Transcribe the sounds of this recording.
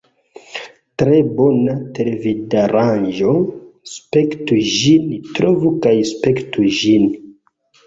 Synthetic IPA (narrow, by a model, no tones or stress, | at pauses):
tɾebonatelevidaɾand͡ʒospektuʒintɾovukajspektuʒin